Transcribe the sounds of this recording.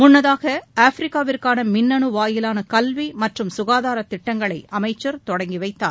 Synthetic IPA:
mʊnːɐðaːɣɐaːfɾɪkːaːʋɪrkaːnɐmɪnːɐɳɯʋaːjɪlaːnɐkɐlʋimɐʈrɯmsʊɣaːðaːɾɐt̪ːɪʈːɐŋɡɐɭɐɪɐmɐɪt͡ʃːɐɾt̪ɔɽɐŋɡiʋɐɪt̪ːa̰ː

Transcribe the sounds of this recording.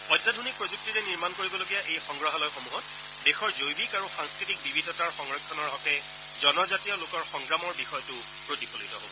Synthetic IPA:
ɔjtːadʱunik̚pɹozuk̚tiɹɛniɹmankoɹibɔloɡijaʔejxɔŋɡɹɔɦalɔjxomuɦɔt | bexɔɹzojbikaɹuxaŋskɹitik̚bibʱidʱɔtaɹxɔŋɹɔkʰːɔnɔɹɦɔtɛ | zɔnɔzatijɔlokɔɹxɔŋɡɹamɔɹbixɔjɔtʊ | pɹotipolitɔɦo̰l

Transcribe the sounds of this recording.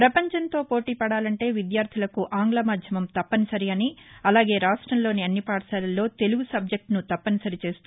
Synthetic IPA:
pɾɐpɐɲt͡ʃɐnt̪o̞ːpo̞ːʈiːpɐɽaːlɐɳʈe̞ːʋid̪jaːɾt̪ʰilɐkuʔaːŋɡlɐmaːd̪ʱjɐmɐmt̪ɐpːɐnisɐɾiɐniɐlaːɡe̞ːɾaːʂʈɾɐmlo̞ːniɐnːipaːʈɐsaːlɐlːo̞ːt̪e̞luɡusɐb̚d͡ʒek̚ʈnut̪ɐpːɐnisɐɾit͡ʃe̞ːst̪u

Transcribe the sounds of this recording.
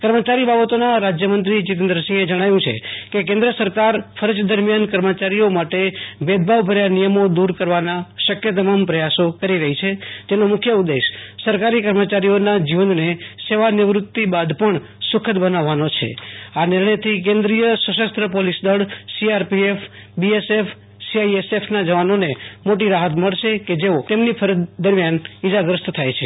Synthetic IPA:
kəɾmət͡ʃaɾibabət̪onaɾad͡ʒjəmənt̪ɾit͡ʃɪt̪ənd̪ɾəsĩŋed͡ʒəɽ̃ajũt͡ʃʰḛkek̬ẽnd̪ɾəsəɾkaɾfʰəɾəd͡ʒd̪əɾmijankəɾmət͡ʃaɾijomaʈebed̪̚bʱaʋbʱəɾjanijəmod̪uɾkəɾʋanaʃəkjət̪̬əmampɾəjasokəɾiɾəɦit͡ʃʰet̪enomʊkʰjəud̪ːeʃsəɾkaɾikəɾmət͡ʃaɾijonad͡ʒiʋənneseʋanɪʋɾʊt̪ːibad̪pəɳ | sʊkʰət̪bənaʋːanot͡ʃʰḛanɪɾɳ̃əjt̪ʰik̬ẽnd̪ɾijəsəʃəst̪ɾəpolisd̪əɭsiaɾpiefbiesefʰ | siaiesefʰnad͡ʒəʋanonemoʈiɾaɦət̪məɭʃeked͡ʒeot̪emnipʰəɾəd̪d̪əɾmjanid͡ʒaɡɾəst̪t̪ʰajt͡ʃʰe

